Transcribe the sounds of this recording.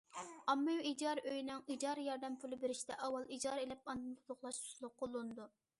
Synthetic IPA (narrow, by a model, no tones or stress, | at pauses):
ɑmːɨjid͡ʒɑɾøjinɪŋid͡ʒɑɾjɑɾd̪ɛmpʰylˠɪbeɾɪʃt̪ɛʔɑwɑlˠid͡ʒɑɾelɪp̚ɑnd̪ɨnt̪ʰʊlˠʊχlˠɑʃt̪ʰu̥slˠʊqʰːolˠːunɨd̪u